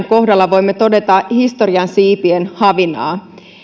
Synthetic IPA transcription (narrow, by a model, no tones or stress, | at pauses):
ŋko̞ɦdɑlːɑʋo̞jmːet̪o̞de̞t̪ɑhist̪o̞riɑnsiːpienhɑʋinɑ̰ː